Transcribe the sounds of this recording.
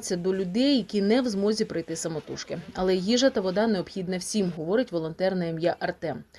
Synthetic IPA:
t͡sʲːɐd̪ɔlʲʊd̪ɛjːɐkʲinɛwzmɔzʲipɾɪjt̪ɪsɐmɔt̪uʃkɪɐlˠɛjiʒɐt̪ɐʋɔd̪ɑneɔbxʲid̪nɐwsʲimɦɔʋɔɾɪtʲʋɔlˠɔnt̪ɛrnɐɛmjaʔɐrt̪ɛm

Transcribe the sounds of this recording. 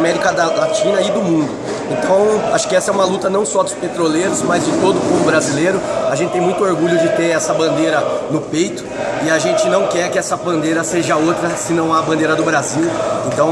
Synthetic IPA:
mɛɾikɐd̪ɐlat͡ʃĩnɐɪd̪ʊmũnd̪ʊ | ẽnt̪ɐ̃w̃a̰ʃʊ̥kɪɛsɐɛũmɐlut̪ɐnɐ̃w̃sɔd̪ʊspet̪ɾoleɾʊzmɐzd͡ʒɪt̪od̪ʊpovʊbɾazileɾʊaʒẽt͡ʃɪt̪ẽj̃mũj̃t̪ʊoɾɡuʎʊd͡ʒɪt̪eɛsɐbɐ̃nd̪eɾɐnʊpejt̪ʊ̥ | ɪaʒẽnt͡ʃɪnɐ̃w̃kɛɾkɪɛsɐbɐ̃nd̪eɾɐseʒɐowt̪ɾɐsɪnɐ̃w̃abɐ̃nd̪eɾɐd̪ʊbɾaziwẽt̪ɐ̃w̃

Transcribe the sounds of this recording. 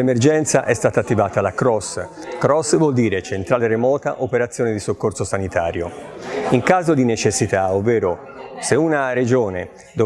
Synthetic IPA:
emerd͡ʒɛnt̪saʔɛst̪aːt̪at̪ːivaːt̪alakɾɔskɾɔsvwɔld̪iːɾet͡ʃent̪ɾaːleremɔːt̪a̰ʔopeɾat̪sːjoːned̪isokːorsosanit̪aːɾjoiŋkaːzod̪inet͡ʃesːit̪aovːɛːɾo | seunaɾed͡ʒoːne | d̪o

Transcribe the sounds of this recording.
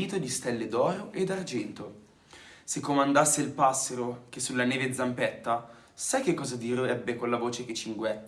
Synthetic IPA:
iːt̪od̪ist̪ɛlːed̪ɔːɾoʔed̪ard͡ʒɛnt̪o | sekːomand̪asːeilpasːeɾok̟esːulːaneːved̪zampɛt̪ːa | sajk̟ekːɔːzad̪iːɾoɛbːekolːavoːt͡ʃek̟et͡ʃːiŋɡwɛ

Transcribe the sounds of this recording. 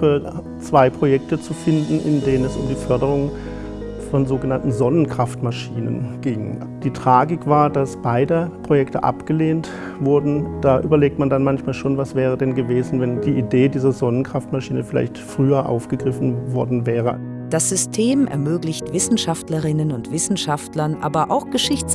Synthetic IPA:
ə | t͡sv̥aɪpʁ̥ojɛk̚tət͡sufɪndn̩ʔɪ̰ndeːnənɛsʊmdiːfœɐdəʁʊŋ | fɔnzoːɡənantn̩zɔnənkʁ̥aftmaʃiːnə̰nɡ̥ɪŋ | d̥iːtʁ̥aːɡɪkv̥aːɐdasb̥aɪdəpʁ̥ojɛktəʔa̰pɡ̥əleːnt | v̥ʊɐdn̩d̥aːʔyːbɐleːk̚tmandanmançmaːlʃoːnvasv̥ɛːʁ̞ədɛnɡəveːzn̩vɛndiːʔideːdiːzɐzɔnənkʁ̥aftmaʃiːnəfɪla̰ɪçtfʁ̥yːɐʔa̰ʊfɡ̥əɡʁɪfn̩vɔɐdn̩vɛːʁə̰ | d̥asz̥ʏstʰeːmʔɛ̰ɐmøːɡlɪçtv̥ɪsn̩ʃaftləʁɪnənʊntv̥ɪsn̩ʃaftlɐnʔa̰ːbɐʔaʊxɡ̥əʃɪçt͡s

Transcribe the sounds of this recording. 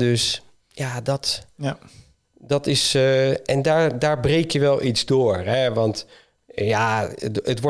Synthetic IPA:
døs | jadɔt | dɑtɪsʔɛndaːɹdaːɹbrejkjəʋɛlˠʔitzdoːɹɦɛʋɑnt | jaətʋɔ

